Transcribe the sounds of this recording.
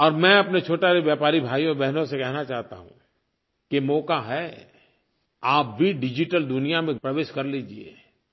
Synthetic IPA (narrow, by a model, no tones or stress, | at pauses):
ɔːɾmɛ̃ɐpnet͡ʃʰoːʈaɾeʋjaːpaːɾibʱaːjɔɾbɛɦnõsekɛɦnat͡ʃaːɦt̪a̰ɦṵ̃ | kemɔːkaɦɛ | aːp̚bʱiɖɪd͡ʒɪʈəld̪ʊnijamẽpɾɐʋeːʃkɐɾliːd͡ʒiḛː